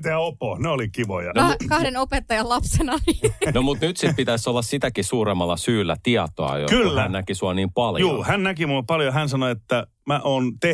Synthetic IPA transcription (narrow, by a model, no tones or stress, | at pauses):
t̪æopohneolikiʋo̰jɑ̰nokɑhdenopet̪ːɑjɑllɑpsenɑninomut̪nyt̪sipit̪æsolːɑssit̪ækisuːɾemːɑlːˑɑsyːlːæ̰t̪iɑt̪o̰ɑ̰jo̰kylːæænækisuɑniːmpɑljuo̰ːhænnækimulpɑljohænsɑnoet̪ːæ | mæʔoːnt̪e